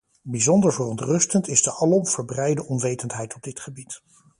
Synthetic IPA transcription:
bizɔndəɹvərɔntrɵstəntɪzdəʔɑlɔmv̥əɹbrɛjdəʔɔnʋejtəntɦɛjtɔb̚dɪtχəbit

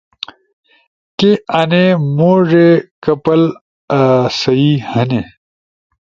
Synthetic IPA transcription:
keɐnemoːʐekɐpɐl | sɐihəne

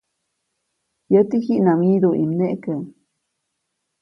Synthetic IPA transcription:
jət̪ihiʔnamid̪oʔḭmneʔkə

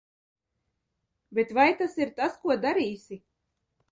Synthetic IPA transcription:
bʲet̪vajt̪asiɾt̪askuɔd̪aɾiːsʲi

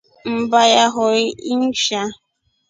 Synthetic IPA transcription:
m̩bajaɦʊɾɪin̩ʃa

